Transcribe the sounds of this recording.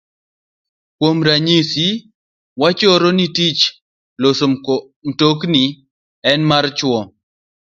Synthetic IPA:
kwomɾaɲisi | wat͡ʃɔɾonitit͡ʃ | loso | mtokni | ɛnmart͡ʃwɔ

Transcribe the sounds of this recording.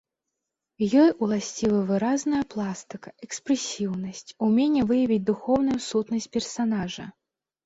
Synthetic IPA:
jɔjulˠasʲt͡sʲivɐvɨɾaznɐjɐplˠast̪ɨkɐ̥ɛkspɾɛsʲiwnɐsʲt͡sʲumʲɛnʲːɛvɨjɐvʲit͡sʲd̪uxɔwnujusut̪nɐsʲt̚ʲpʲɛrsanaʐɐ̰

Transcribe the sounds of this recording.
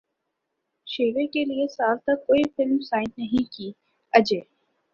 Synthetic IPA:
ʃeːʋekeliesaːlt̪ɐkːoːifɪlmsaːɪ̃ntnɐɦĩkiː | ɐd͡ʒeː

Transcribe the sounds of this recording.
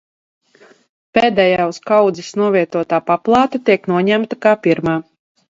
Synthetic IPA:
peːd̪ɛjaːuskawd̪zisnuɔvʲiɛt̪uɔt̪aːpaplˠɑːt̪at̪iɛknuɔɲæmt̪akaːpiɾmaː

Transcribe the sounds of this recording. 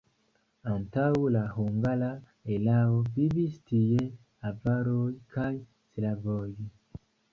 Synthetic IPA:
antawulaɦoŋɡala | elawobiβistije | avaɾokaj | silavoji

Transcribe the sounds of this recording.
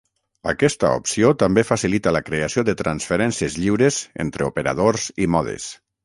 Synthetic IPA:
ə̰kɛst̪ə̰o̰psiot̪ambefasilit̪ələkɾeasioðət̪ɾansfeɾɛnsiezʎiwɾezḛnt̪ɾeupəɾa̰ð̞oɾzimɔðḛs

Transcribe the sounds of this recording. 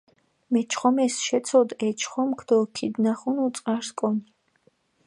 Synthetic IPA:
mɛt͡ʃʰχɔmɛsʃɛt̪sʰɔd̪ɛt͡ʃʰχɔmkʰd̪̥ɔkʰid̪naχunut̪sʼqaɾskʼɔni

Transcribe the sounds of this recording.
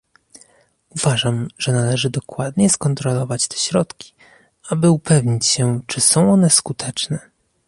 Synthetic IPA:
uv̥aʐamʐ̥ɛnalɛʐɘd̪ɔkwad̪ɲɛskɔnt̪ɾɔlɔvat͡ɕt̪ɛ̥ɕɾɔt̪kʲi̥ | abɘupʰɛvɲit͡ɕɕɛt͡ʂɘsɔ̃w̃ɔnɛskut̪ʰɛt͡ʂnɛ

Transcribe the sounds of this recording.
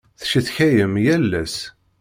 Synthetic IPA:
θʃiθçæjəmjælːæs

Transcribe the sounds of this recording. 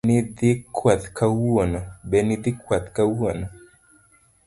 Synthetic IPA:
nɪd̪ɪkwat̪kʰawonɔbɛnɪd̪ɪkwat̪kawonɔ

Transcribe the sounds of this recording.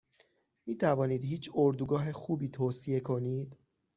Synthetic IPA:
miːt̪ʰævɒːniːd̪hiːt͡ʃʰoɾd̪uɡɒːɦe̞xuːbiːt̪ʰoːsie̞kʰo̞niːd̪̥

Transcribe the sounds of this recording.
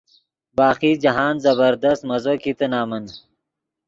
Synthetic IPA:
baːqiːd͡ʑɐɦaːnzɐbɐɾd̪ɐst̪mɐzoːkit̪ɐnaːmɐn

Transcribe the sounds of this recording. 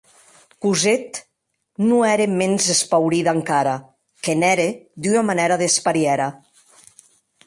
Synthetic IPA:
kuzet̪ | nuɛɾemenzespawɾiðaŋkaɾa | kenɛɾed̪ynamanɛɾaðespaɾjɛɾa

